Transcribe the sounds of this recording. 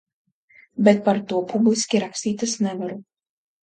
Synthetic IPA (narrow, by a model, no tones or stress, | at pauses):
bʲɛt̪̚pɐɾt̪uɔpʰubʲlʲɪsʲkʲiɾaksʲt̪ʲiːt̪ʲɪsnʲɛvɐɾu